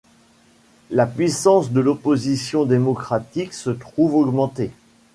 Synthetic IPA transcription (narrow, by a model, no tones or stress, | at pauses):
lapɥisɑ̃sd̪əlɔpozisjɔ̃d̪emɔkχat̪iksət̪χuvɔɡmɑ̃t̪e